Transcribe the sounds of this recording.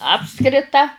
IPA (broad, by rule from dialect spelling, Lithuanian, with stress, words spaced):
ˈɑːpskrʲɪtɐ